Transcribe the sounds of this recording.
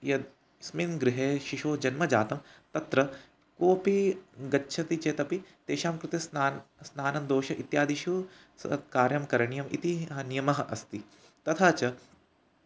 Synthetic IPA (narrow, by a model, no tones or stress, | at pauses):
jɐd̪ | sminɡɾɪɦeːʃiʃoːd͡ʒɐnmɐd͡ʒaːt̪ɐmt̪ɐt̪ɾɐ | koːpiɡɐtːʃʰɐt̪it͡ʃeːt̪ɐpit̪eːʃaːmkɾɪt̪esnaːnsnaːnɐnd̪oːʃɐʔit̪jaːd̪iʃuː | skaːɾjɐmkɐɾɐɳijɐmḭt̪iɦɐnijɐmɐɦɐʔɐst̪i | t̪ɐt̪ʰaːt͡ʃɐ